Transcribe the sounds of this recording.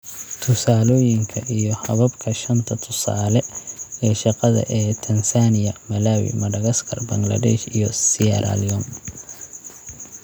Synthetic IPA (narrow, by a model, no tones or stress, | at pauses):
t̪ʰʊsaːlɔːjɪŋkʰɐʔijɞhɐβɐbkʰɐʃɐnt̪ʰɐt̪ʰʊsa̰ːlɛɛːʃɑqɑðɐ̰ʔɛːt̪ʰɐnsaːnɪjɐmɐlaːwḭmɐɽɐɣɐskʰɐrbɐŋɡlɐ̰d̪ɛ̰ʃijɔsiɐ̰ɾa̰liɔn